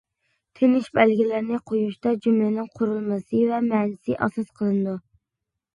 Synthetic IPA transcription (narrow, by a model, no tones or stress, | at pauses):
t̪ʰɪnɪʃbælɡʲilɪɾnɪqʰojuʃt̪ɑd͡ʒymlɪnɪŋqʰʊɾulˠmɨsɨvɛmɛːnɪsɪʔɑ̰sɑsqʰəlˠɨnɨd̪u